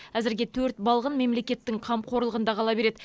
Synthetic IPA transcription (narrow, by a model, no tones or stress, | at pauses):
æzɪɾɡʲe̞t̪ʰɵɾt̪bɑlˠʁənme̞mle̞kʲe̞t̪ːɪŋqʰɑmqʰo̞ɾlˠəʁənd̪ɑqʰɑlˠɑbe̞ɾe̞d̪